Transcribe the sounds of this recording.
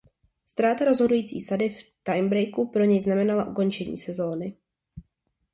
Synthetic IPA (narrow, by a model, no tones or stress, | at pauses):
st̪ɾaːt̪aɾo̞zɦo̞dujiːt͡sḭːsadɪft̪ajmbɾɛjkupɾo̞ɲɛjznamɛnalaʔuko̞nt͡ʃɛɲḭːsɛzo̞ːnɪ